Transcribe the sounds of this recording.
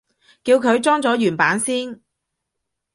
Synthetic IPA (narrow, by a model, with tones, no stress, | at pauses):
kiː˧wkʰɵ˨˧ɥt͡sɔː˥ŋt͡sɔː˨˥jyː˨˩npaː˨˥nsiː˥n